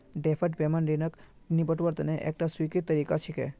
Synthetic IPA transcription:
ɖeːpʰəʈ̚peːmənɾinək | nibəʈʋəɾt̪əneʔḛːk̚ʈaswikit̪t̪ːəɾiːkat͡ʃʰike

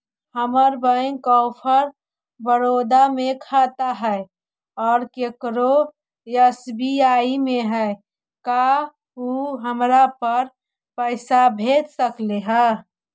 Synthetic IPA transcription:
həməɾbə̃ŋkɔːpʰəɾ | bəɾod̪amekʰat̪aɦɛ | ɔːɾkekɾo | jəsbiaːimẽɦɛ | ka | uɦəmɾapəɾ | pəɪsabʱed̪səkleɦə

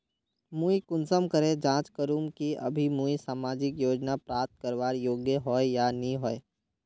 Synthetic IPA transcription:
muːikʊnsəmkəɾed͡ʒãːt͡ʃkəɾuːmkiə̰bʱimuːisaːmaːd͡ʒɪkjoːd͡ʒnapɾaːp̚t̪̚kəɾʋaːɾjoːɡjəɦɔːejanĩɦɔːe

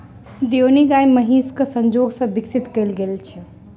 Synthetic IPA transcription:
d̪joniɡajməɦiskəsə̃nd͡ʒoɡsə̃biksit̪kəjlɡelt͡ʃʰɛ

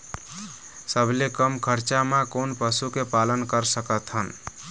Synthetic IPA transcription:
səbʱlekəmkʰəɾt͡ʃamakonpəsukepalənkəɾsəkət̪ʰɦən

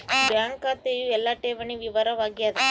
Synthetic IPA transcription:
bjaːŋkaːt̪ejuɛlːaːʈeːʋɐɳiʋiʋɐɾɐʋaːɡijad̪ɐ

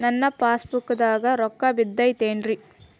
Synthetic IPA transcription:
nɐnːɐpaːspukːɐd̪aːɡɐɾɔkːɐbid̪ːɐjt̪eːɳɾi

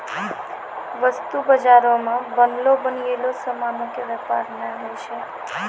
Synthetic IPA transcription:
ʋəst̪ubəd͡ʒaɾomãbənlobənielosəmanõkeʋɛpaɾnəɦəjt͡ʃʰe

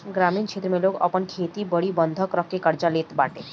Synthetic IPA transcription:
ɡɾamiːnkʰet̪ɾəmelokə̰pəɳkʰet̪ibəɽiːbənd̪ʱəkɾəkːekəɾd͡ʑalet̪baʈe

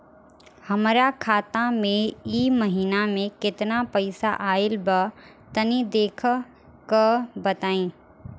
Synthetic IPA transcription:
hɐmɾakʰaːt̪amẽiːməɦiːnamẽkɪt̪napɐɪsa̰ʔaːɪlbə | t̪ɐnid̪eːkʰ | kəbɐt̪aːĩː

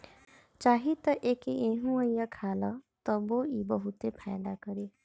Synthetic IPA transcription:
t͡ʃaɦit̪ʌʔekiʔeɦũʌjːʌkʰalʌt̪ʌboibʌɦut̪epʰajd̪akʌɾi

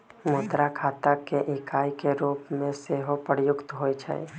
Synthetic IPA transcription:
moːt̪ɾakʰaːt̪akeʔɪkʰaːikeɾuːpmẽseːɦopəɾjʊkt̪ɦoit͡ʃʰa̰ḛ

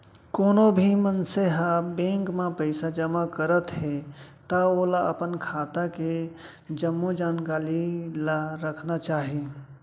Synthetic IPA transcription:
koːnobʱimənseɦabẽŋkmepəɪsad͡ʒəmakəɾət̪ɦet̪aolaəpənkʰaːt̪ake | d͡ʒəmːod͡ʒaːnkaːlilaɾəkʰnat͡ʃaːɦi

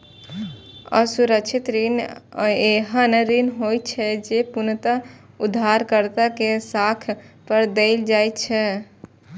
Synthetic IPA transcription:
ə̰suɾək̚t͡ʃʰit̪ɾin | eɦənɾinɦojt̪t͡ʃʰɛd͡ʒepunt̪a | ud̪ʱːaɾkəɾt̪akesakʰpəɾd̪eɪld͡ʒajt̪t͡ʃʰɛ

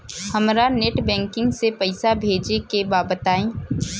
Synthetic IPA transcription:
hɐmɾaneʈbɛ̃ːŋkɪ̃ŋɡsepəɪsabʱeːd͡ʒekebaːbət̪aːẽː

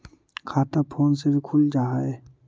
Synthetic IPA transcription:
kʰaːt̪apʰoːnsebʱikʰʊld͡ʒaːɛ

